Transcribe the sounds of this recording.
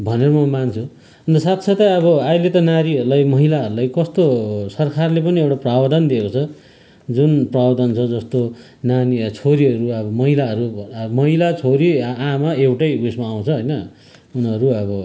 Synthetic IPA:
bʱʌneɾʌmʌmant͡sʰu | ʌnd̪ʌsat̪sʰʌt̪ʌʌβʌajlet̪ʌnaɾiɦʌɾulajmʌɦilaɦʌɾulajkʌst̪osʌrkʰarlepʌniewʈaprabʌd̪ʌnd̪iekot͡sʰʌ | d͡zunprabʌd̪ʌnt͡sʰʌd͡zʌst̪o | nanit͡sʰoɾiɦʌɾuʌbʌmʌɦilaʌɾumʌɦilat͡sʰoɾiamaewʈʌjusmaːw̃t͡sʰʌɦʌjnʌ | unʌɾuʌbʌ

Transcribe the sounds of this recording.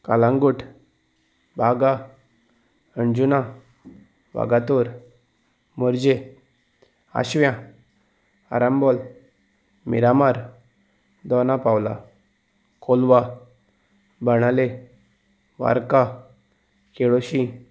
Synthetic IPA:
kalãŋɡuʈʰ | bʱaɡa | əɳd͡ʑuna | ʋa̰ɡat̪oɾ | məɾd͡ʑe | a̰ɕʋjã | a̰ɾambɔl | mḭɾamaɾ | d̪ɔnapawla̰ | kolʋa | bəɽ̃ale | ʋa̰ɾka | keɭoɕi

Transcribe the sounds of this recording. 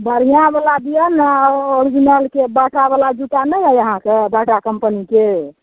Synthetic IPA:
bəɾijãbalad̪ijənaoɾid͡ʒinəlkebəʈʰabalad͡ʒut̪anəɦəjəɦãkebaʈakəmpənike

